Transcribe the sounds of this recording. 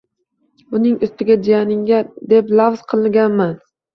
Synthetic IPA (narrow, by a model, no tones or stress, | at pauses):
ʊnɪŋʊst̪ɪɡʲad͡ʒijanɪŋɡʲad̪e̞plˠavz̥qʰɨlˠɪɡʲanman